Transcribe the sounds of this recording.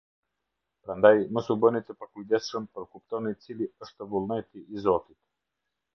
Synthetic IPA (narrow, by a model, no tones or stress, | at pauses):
pɾand̪ajmusubənit̪ɛpakuid̪ɛst͡ʃənpɾɔkup̚t̪ɔnit̪siliəʃt̪ɔvulˠnɛt̪iːzɔt̪it̪ɛ̥